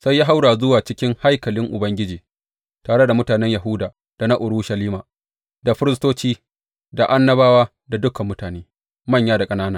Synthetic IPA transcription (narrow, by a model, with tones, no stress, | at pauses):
sa˦jːaː˦ɦa˦wɽaː˨zʊ˦waː˨t͡ʃɪ˦kʲɪ˦ŋha˦jkɐ˨lɪ˦ŋʔʊ˨bɐ˦ŋɡʲɪ˦d͡ʒiː˨ | taː˨ɽe˦da˨mʊ˦taː˨nɛ˦ɲja˨ɦʊ˦daː˨ | d̥a˨na˦ʔʊ˨ɽuː˦ʃɐ˨liː˦maː˨ | da˨ɸɪ˦ɾɪ˦s̬toː˦t͡ʃiː˦ | da˨ʔa˦nːɐ˦baː˦waː˦ | da˨dʊ˦kɐ˨mːʊ˦taː˨neː˦ | mɐ˦˨ɲjaː˦da˨kʼɐ˦naː˦naː˦